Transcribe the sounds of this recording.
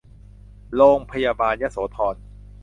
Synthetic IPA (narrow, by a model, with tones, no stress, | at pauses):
loː˧ŋpʰa˧jaː˧baː˧nja˦˥soː˩˦t̪ʰɔː˧n